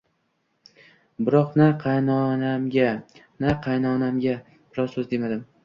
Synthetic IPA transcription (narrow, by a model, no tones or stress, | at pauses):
bɪɾɒqnaqʰɑjnɒnamɡʲa | naqʰɑjnɒnamɡʲa | b̥ɪɾɒsɵzd̪e̞mad̪ɪm